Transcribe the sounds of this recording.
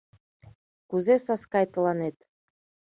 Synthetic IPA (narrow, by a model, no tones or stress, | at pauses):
kuzesɑskɑjt̪ɤlˠɑnet̪